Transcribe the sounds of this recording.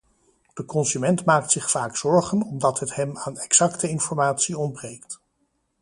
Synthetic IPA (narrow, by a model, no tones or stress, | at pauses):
d̥əkɔnsymɛntmaːk̚tsɪχfaːksɔɹχənɔmdɑtɦətɦɛmaːnɛksɑktəɪnfɔɹmaːtsiɔnbrejkt